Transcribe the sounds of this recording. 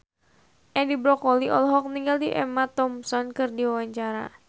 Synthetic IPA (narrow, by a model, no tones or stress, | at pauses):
ʔɛdibɾɔkɔliʔɔ̰lɔɦɔk̚niŋɡaldiʔɛmat̪ɔmsɔnkɨrdiwawaɲt͡ʃaɾa̰